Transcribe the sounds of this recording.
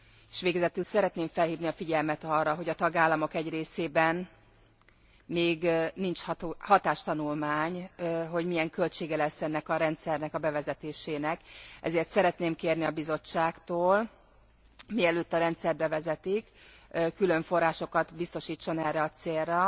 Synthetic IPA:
e̥ʃʋeːɡɛzɛt̪ylsɛɾɛt̪neːɱfɛlhiːvniɒfiɟɛlmɛt̪ɒrːɒɦo̞ɟɒt̪ɒɡaːlːɒmo̞kɛɟreːseːbɛn | meːɡnint͡ʃht̪ːhɒt̪aːʃt̪ɒnulmaːɲɦo̞ɟmijɛŋkø̞lt͡ʃeːɡɛlɛsːɛnːɛkɒɾɛnt̪sɛrnɛkɒbɛvɛzɛt̪eːʃeːnɛkɛ̰zeːrt̪sɛɾɛt̪neːmkeːrniɒbizo̞t͡ʃːaːkt̪oːl | miɛløːt̪ːɒɾɛnt̪sɛrbɛvɛzɛt̪ikkːylø̞ɱfo̞rːaːʃo̞kɒt̪bist̪o̞ʃiːt͡ʃːo̞nɛrːɛɒt̪seːrːɛ

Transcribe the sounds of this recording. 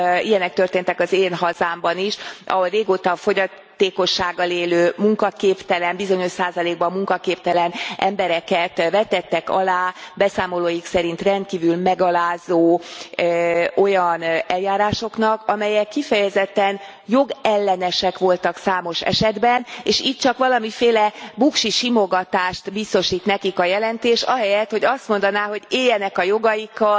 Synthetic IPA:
ijɛnɛk̚t̪ørt̪eːnt̪ɛkɒzeːnɦɒzaːmbɒniʃʔɒ̰ɦo̞lreːɡoːt̪ɒfo̞ɟɒ | t̪eːko̞ʃːaːɡːɒleːløːmuŋkɒkeːpt̪ɛlɛmbizo̞ɲo̞ʃsaːzɒleːɡbɒmːuŋkɒkeːpt̪ɛlɛnʔɛmbɛɾɛtkɛt̪vɛt̪ɛt̪ːɛkɒ̰laːbɛsaːmo̞loːjiksɛɾint̪rɛnt̪̚kiːvylmɛɡɒlaːzoː | o̞jɒnɛljaːɾaːʃo̞knɒkɒmɛjɛkːifɛjɛzɛt̪ːɛn | jo̞ɡɛlːɛnɛʃɛkʋo̞lt̪ɒksaːmo̞ʃɛ̰ʃɛd̪bɛneːʃiːt̚t͡ʃɒkʋɒlɒmifeːlɛbukʃiʃimo̞ɡɒt̪aːʃt̪bist̪o̞ʃiːt̪nɛkikɒjɛlɛnt̪eːʃɒɦɛjɛt̪ho̞ɟɒst̪mo̞nd̪ɒnaːɦo̞ɟeːjːɛnɛkɒjo̞ɡɒjikːɒ

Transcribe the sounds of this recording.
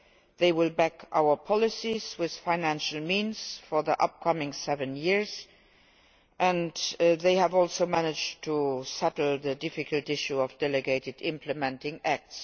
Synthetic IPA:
ðeɪwɪlbækʰʔa̰ʊə˞pʰɑlisiz̥wɪð̥faɪnæ̃nʃəlmĩːnz̥fɔ˞ðiʔʌ̰p̚kʰʌmɪ̃ŋsɛvə̃njɪɹz | ʔæ̃ndðeɪhəvɔlˠsoʊmænɪd͡ʒtʰːusɛtl̩ðədɪfɪkʰəltɪʃuɔfd̥ɛləɡeɪtɪdɪ̃mpʰləmɛ̃ntɪ̃ŋæk̚ts

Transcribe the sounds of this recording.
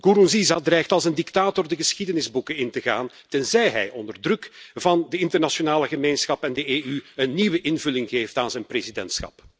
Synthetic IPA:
ɡ̥uɾunzizadrɛjxtɑlˠsəndiktaːtɔrdəɣəsxidənɪzbukəɪntəɣa̰ːn | tɛnzɛjɦɛjɔ̰ndərdrɵkvɑndəɪntərnasonaːləɣəmeːnsxɑpɛndəeːyənːiʋəʔɪnvɵlɪŋɣeːftaːnzɛjnprezidɛntsxɑ̰p

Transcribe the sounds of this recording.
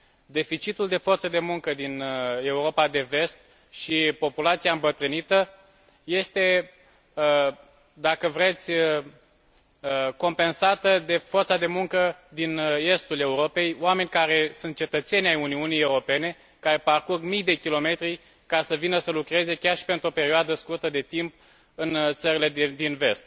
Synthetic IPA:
d̪e̞fit͡ʃit̪uld̪e̞fo̞rt̪səd̪e̞muŋkəd̪ine̞uɾo̞pad̪e̞ve̞st̪̚ | ʃipo̞pulat̪siaɨmbət̪ɾɨnit̪ə | je̞st̪e̞ | d̪akəvɾe̞t̪sʲ | ko̞mpe̞nsat̪əd̪e̞fo̞rt̪sad̪e̞muŋkəd̪ine̞st̪ule̞uɾo̞pe̞joame̞nʲkaɾe̞sunt̪̚t͡ʃe̞t̪ət̪se̞nʲajuniunije̞uɾo̞pe̞ne̞ | kaɾe̞parkurɡmijd̪e̞kʲilo̞me̞t̪ɾi | kasəvinəsəlukɾe̞ze̞kʲarʃi̥pe̞nt̪ɾo̞pe̞ɾioad̪əskurt̪əd̪e̞t̪imp̚ | ɨnt̪səɾile̞d̪inve̞st̪̚

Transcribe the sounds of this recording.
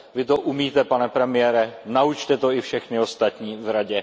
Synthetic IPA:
vɪt̪o̞ʔumiːt̪ɛpanɛpɾɛmɪjɛːɾɛnaut͡ʃt̪ɛt̪o̞ɪfʃɛxnɪo̞st̪at̪ɲiːvɾaɟɛ

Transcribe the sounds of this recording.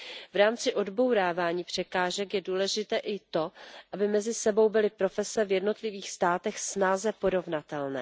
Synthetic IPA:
vɾaːmt͡sɪʔo̞dbo̞wɾaːvaːɲiːpr̝̥ɛkaːʒɛkjɛduːlɛʒɪt̪ɛːʔɪt̪o̞ʔabɪmɛzɪsɛbo̞wbɪlɪpɾo̞fɛsɛvjɛdno̞t̪lɪviːxst̪aːt̪ɛxsnazɛpo̞ɾo̞vnat̪ɛlnɛː

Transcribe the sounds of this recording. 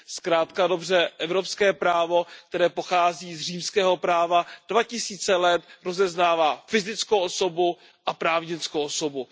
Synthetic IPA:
skɾaːt̪kado̞br̝ɛʔɛvɾo̞pskɛːpɾaːvo̞k̚t̪ɛɾɛːpoxaːziːzr̝iːmskɛːɦo̞pɾaːvad̥vacɪsiːt͡sɛlɛt̪ɾo̞zɛznaːvaːfɪzɪt͡skowʔoso̞bu | ʔapɾaːvɲɪt͡skowʔoso̞bu

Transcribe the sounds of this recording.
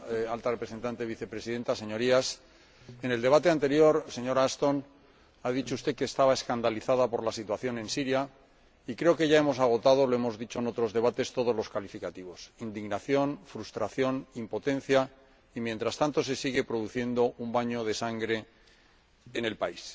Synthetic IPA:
alt̪arepɾese̞nt̪ant̪e̞βiθe̞pɾe̞siðe̞nt̪ase̞ɲo̞ɾias | ene̞ld̪e̞β̞at̪e̞ant̪e̞ɾjo̞ɾse̞ɲo̞ɾaast̪o̞n | að̞it͡ʃo̞ust̪e̞ke̞ːst̪aβae̞skand̪aliθaðapo̞ɾlasit̪waθjo̞nẽ̞nsiɾja | ikɾe̞oke̞ʝae̞mo̞saɣ̞o̞t̪að̞o̞lo̞e̞mo̞zðit͡ʃo̞eno̞t̪ɾo̞zðe̞βat̪e̞st̪o̞ð̞o̞zlo̞skalifikat̪iβo̞sind̪iɣnaθjo̞nfɾust̪ɾaθjo̞nimpo̞t̪ẽ̞n̟θja | imjent̪ɾast̪ant̪o̞s̬e̞siɣe̞pɾo̞ðuθje̞nd̪o̞umbaɲo̞ð̞e̞saŋɡɾe̞ | ne̞lpais

